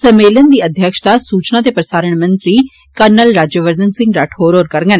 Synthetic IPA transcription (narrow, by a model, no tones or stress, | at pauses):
sɐmeːlənd̪iːɐd̪ʱjəkʃt̪asuːt͡ʃnãt̪̬epɾɐsaːɾəɽ̃mɐ̃nt̪ɾi | kəɾnəlɾaːd͡ʒəʋəɾd̪ənsɪ̃ŋɡɾaʈʰoːɾoːɾkɐɾŋɡən